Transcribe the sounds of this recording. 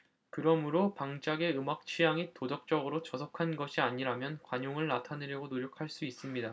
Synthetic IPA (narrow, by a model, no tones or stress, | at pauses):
kɯɾʌmɯɾopaŋd͡ʑaɡe̞ɯmak̚t͡ɕʰijaŋitodʌk̚t͡ɕ͈ʌɡɯɾot͡ɕʌsʰʌkʰanɡʌɕʰiaɲiɾamjʌnkwaɲoŋɯɭnatʰanɯɾjʌɡonoɾjokʰaɭs͈uis͈ɯmɲida